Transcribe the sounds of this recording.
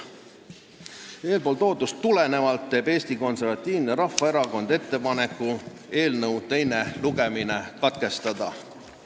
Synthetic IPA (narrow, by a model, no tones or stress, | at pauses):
e̞ːlpo̞ːlt̪o̞ːt̪ːˑust̪ːule̞ne̞vɑlt̪ːe̞ːbe̞ːsʲt̪iko̞nse̞ɾvɑt̪ʲːˑiːvneɾɑfɑe̞ɾɑko̞nd̪̥e̞t̪ːe̞pɑne̞kːˑu | e̞ːlnɤwt̪e̞jne̞luɡe̞minekɑt̪ke̞st̪ɑd̪̥ɑ